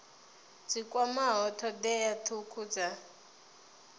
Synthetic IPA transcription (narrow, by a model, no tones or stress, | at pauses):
d͡zikʼwamaɦɔtʰɔd̪ɛjatʰukʰud͡za